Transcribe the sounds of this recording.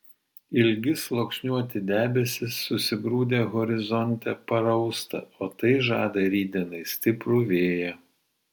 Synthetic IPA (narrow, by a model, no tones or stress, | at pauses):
ɪlʲɡʲɪslˠoksʲnʲuɔt̪ʲɪd̪ʲæːbʲɛsʲɪsːʊsʲɪɡɾuːd̪ʲeːɣɔɾʲɪzɔnʲt̪ʲɛpɐɾɐʊst̪ɐ̰oːt̪ɐɪʒɑ̰ːd̪ɐɾʲiːd̪ʲɛnɐɪsʲt̪ʲɪpɾʊʋʲeːjɛ